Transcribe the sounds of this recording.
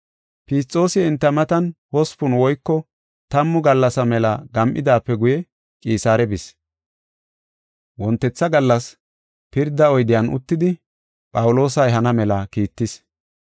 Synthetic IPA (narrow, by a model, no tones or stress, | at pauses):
pist͡sʼːo̞ːsɪɛnt̪ːɐmɐt̪ɐnwɔspʊnwɔjkːɔ | t̪ɐmːʊɡɐlːɐsɐmɛlɐɡɐmʔɪ̰d̪aːpːɛɡʊjɛ | kʼiːsaːɾɛbɪs | wɔnt̪ːɛt͡sːɐɡɐlːɐs | pɪɾd̪ɐɔjd̪ɪjɐnʔʊ̰t̪ːɪd̪ɪ | pʼɐwʊlo̞ːsɐjɦɐnɐmɛlɐkiːt̪ːɪs